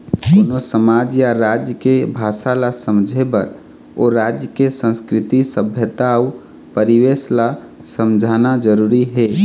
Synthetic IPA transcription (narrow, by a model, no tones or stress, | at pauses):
d̪oːnosəmad͡ʒjaɾad͡ʒjəkebʱaːsalasəmd͡ʒʱebəɾ | oɾad͡ʒjəkesə̃nskɾɪt̪isəbʱjət̪au | pəɾiwesla | səmd͡ʒʱanad͡ʒəɾuɾiɦe